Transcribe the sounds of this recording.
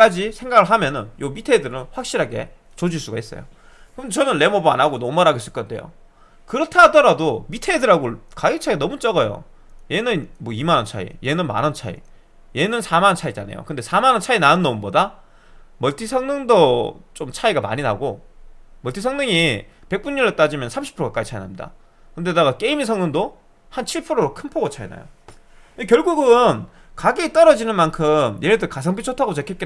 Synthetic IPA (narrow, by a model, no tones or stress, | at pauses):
k͈ad͡ʑisʰe̞ŋɡaɡɯɭɦamjʌnɯnjomitʰeidɯɾɯnɸwak̚ɕ͈iɾɦaɡe̞̰ | t͡ɕod͡ʑiɭs͈uɡais͈ʌ̰jo̰ | kɯndet͡ɕʌnɯnle̞mʌbɯa̰naɡonʌmaɾaɡeis͈ɯɭk͈ʌdejo̰ | kɯɾʌtʰadʌɾadomitʰeidɯɾaɡokajɯt͡ɕʰaianʌmut͡ɕ͈ʌɡʌjo̰ | je̞nɯnmʌimanʌnt͡ɕʰa̰ḭje̞nɯnma̰nɯnt͡ɕʰa̰ḭ | je̞nɯnsʰamant͡ɕʰaid͡ʑa̰nḛjo̰kɯnde̞sʰamanɯnt͡ɕʰainanɯnːʌmunbʌda | mʌɭtʰisʰʌŋnɯŋdot͡ɕomt͡ɕʰaiɡama̰ɲina̰ɡomʌɭtʰis̬ʰʌŋnɯŋipe̞k̚p͈uɲːiɭːet͈ad͡ʑimjʌnsʰamɕʰi̥pʰɯɾokak͈ait͡ɕʰainamɲida̰ | kɯnde̞daɣak͈e̞imisʰʌŋnɯŋdo | hant͡ɕʰiɭpʰɯɾoɾokʰɯnpʰoɡot͡ɕʰaina̰jo̰ | nekjʌɭɡuɡɯn | kaɡit͈ʌɾʌd͡ʑinɯnmankʰɯmjeɾɯt̬ʰɯkas̬ʰaŋp̬ʰit͡ɕʰotʰaɡot͡ɕekʰeke